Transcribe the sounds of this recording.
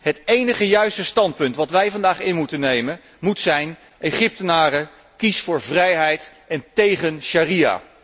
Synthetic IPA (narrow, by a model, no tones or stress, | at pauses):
ɦətejnəχəjœɥstəstɑnt̚pɵntʋɑtʋɛjvɑndaːχɪnmutənːejmən | mutsɛjn | ejχɪp̚tənaːrə | kisfʊːɹvrɛjɦɛjt | ɛntejχənʃaːria̰ː